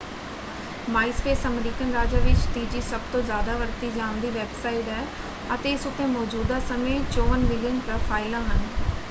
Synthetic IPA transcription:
maːɪspeːsɐmɾiːkənɾaːd͡ʑaʋɪt͡ʃt̪iːd͡ʑisɐbt̪õzjaːd̪aʋɐɾt̪id͡ʑãːnd̪iʋeːbsaːɪʈɛː | ɐt̪eɪsʊt̪ẽmɔːd͡ʑuːd̪asɐmet͡ɕoːʋənmɪlijənpɾɐfʰaːɪlãɦənɪ̆

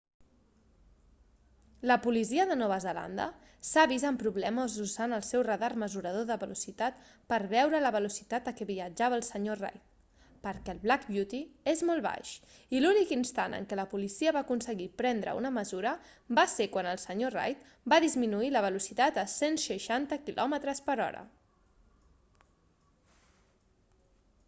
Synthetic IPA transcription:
ləpulisiəðənɔβəzəla̰nd̪ə̰ | saβizaəmpɾuβlɛməzuzanəlˠsɛwrəðarməzuɾəð̞oðəβəlusit̪at̪ | pəɾβɛwɾələβəlusit̪at̪əkɛβiəd͡ʒaβəːlˠsəɲora̰jt̪̚ | pəɾkɛəlˠβlakbjut̪iezmɔlˠβa̰ʃ | ilunikinst̪anə̰ŋkɛləpulisiəβakunsəɣipɾɛnd̪ɾə̰ṵnəməzuɾə | basekwanəlˠsəɲora̰jt̪ | baðizminuiləβ̞əlusit̪at̪əsenʃəʃant̪əkilʔɔmət̪ɾəspəɾɔ̰ɾə̰

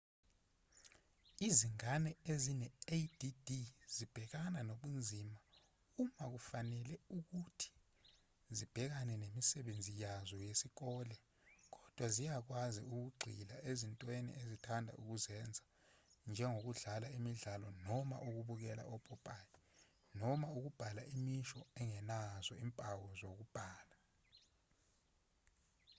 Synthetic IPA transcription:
iziŋanɛezinɛed̥idiz̥ib̥ʱɛk̬ananoɓund͡zʱima | umak̬ufanɛlɛuk̬utʰi̥ | zib̥ʱɛk̬anɛnemisɛɓend͡zʱijazɔjesik̬ɔlɛ | k̬ɔd̥ʱwazijak̬wazḭuk̬uɡ͡ǀʱilaʔezintʼwenḭʔezitʰandʱa̰ʔuk̬uzɛnd͡zʱa | nd͡ʒʱɛŋok̬uɮalaimiɮalɔnɔma̰ʔuk̬uɓuk̬ɛla̰ʔɔb̥ʰʼɔpʼali | nɔmauk̬ub̥ʱalaʔimiʃɔɛŋɛnazɔimpʼawɔzok̬ub̥ʱaːla

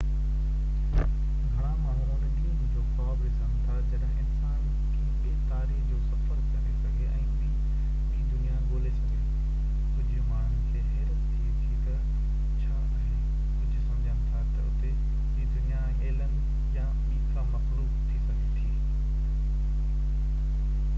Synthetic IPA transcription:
ɡʱɐɽ̃ãmaːn̤uuːnɪd̪iunɪd͡ʑoːxaːbɾisãːt̪aɾd͡ʑɐɽəɽɪnsaːn | kʰi | eːk̪aːɾikd͡ʑoːsɐfkəɾkɐnɪkɐɡeʔɛ̃ː | i | ĩːd̪ʊnijaɠoːlesãe | kʊd͡ʑʱʊmaːɳ̤ʊnɪ̆ɪkʰeːẽt̪ɐ | itʰː | t̪ɐ | t͡ɕʰã | e | ʊd͡ʑɪsɐ̃md͡ʑʱənɪt̪ʰat̪ɐʊ̰t̪ẽ | d̪ʊnija | eːlənɪ̆ | ja | miːkamɐxluːbt̪ʰisɐɡʱet̪ʰiː

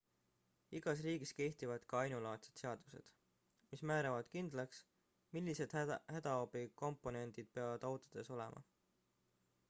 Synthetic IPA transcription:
iɡ̥ɑs̬riːɡ̥iske̞ht̪ivɑd̪̥kɑɑjnulɑːt̪set̪seɑd̪̥use̞̰d̪̥ | mismæːɾɑvɑd̪̥kind̪̥lɑks | milʲːise̞d̪̥hæd̪̥ɑobiko̞mpːˑo̞ne̞nd̪̥id̪̥̚pe̞ɑvɑd̪ɑwt̪ˑod̪̥e̞so̞le̞̰mʔɑ̰

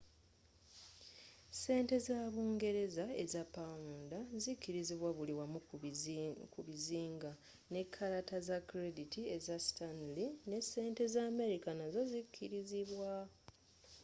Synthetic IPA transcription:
se̞ːnte̞zaːβuːŋɡe̞ɾe̞zae̞zapːamuːndazikːiɾiziβwaβuliwamu | kuβiziːŋɡa | ne̞kʰːaɾatazakːɾe̞ditie̞zasi̥tanline̞se̞ːnte̞zaːme̞ɾikanazo̞zikʰːiɾiziβwa

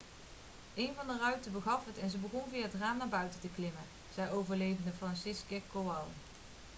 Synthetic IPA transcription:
ʔejnvɑndərœɥtəbəɣɑfətɛnzəbəɣɔnvɪːətraːmnaːɹbœɥtətəklɪmə | z̥ɛjowvəɹlejvəndəfrɑnsɪskəkowɑlˠ

